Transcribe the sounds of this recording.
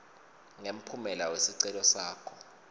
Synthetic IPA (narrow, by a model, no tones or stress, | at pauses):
ŋem̩pʰumɛlawesiǀɛlɔsaːkʰɔ